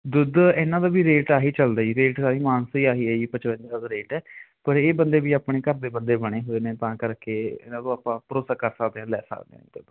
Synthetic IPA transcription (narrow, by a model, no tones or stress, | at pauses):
d̪ʊd̪eːnãːd̪aːbiːɾeːʈaːɦiːt͡ʃəld̪aːiːɾeːʈsaːɾiːmaːnsiːaːɦiːeːiːpət͡ʃbə̃nd͡ʒ̪aːd̪aːd̪aːɾeːʈɛːpəɾeːbənd̪eːbiːaːpɳeːkəɾd̪eːbənd̪eːbəɽ̃eːɦoːeːneːt̪ãːkəɾkeːḛːnãːd̪õːaːpãːpəɾoːsaːkəɾsəkd̪eːãːlɛːsə̰kd̪ḛːã̰d̪ʊd̪